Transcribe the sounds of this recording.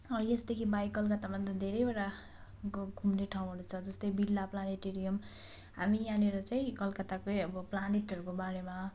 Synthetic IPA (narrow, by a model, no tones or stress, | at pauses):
ʌesd̪ekʰibajkʌlkʌt̪amʌnd̪d̪ʱeɾʌjbeɽa | ɡʱumneʈʰaw̃ɦʌnut͡sʰʌd͡zʌst̪ʌjbilːaplaneʈeɾijʌm | ɦamijaneɾʌt͡saĩkʌlkʌt̪akojʌbʌplaneʈʌɾukobaɾema